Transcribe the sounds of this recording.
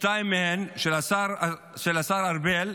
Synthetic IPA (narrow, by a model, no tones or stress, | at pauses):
tajmːehenʃelasaʁ | ʃelasaɾaʁbel